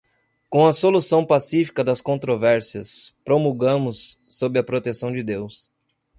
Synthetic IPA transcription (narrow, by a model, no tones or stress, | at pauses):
kõw̃ɐsolusɐ̃w̃pasifi̥kɐd̪ɐskõnt̪ɾovɛɾsiɐspɾomuɡɐ̃mʊsːobɪɐpɾot̪esɐ̃w̃d͡ʒɪd̪ews